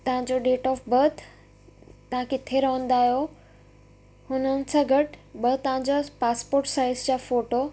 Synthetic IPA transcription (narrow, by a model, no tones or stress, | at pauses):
t̪ɐʋ̤ãɲd͡ʑoɖeːʈɔːfbɐɾt̪ʰ | t̪ːɐɦãkɪt̪ʰeɾɐɦə̃n̆d̪aːɦijo | hʊnənɪ̆sãːɡʱɐʈɓɐt̪ɐʋ̤ãɲd͡ʑapaːspoːɾʈsaːɪzd͡ʑaːfoːʈo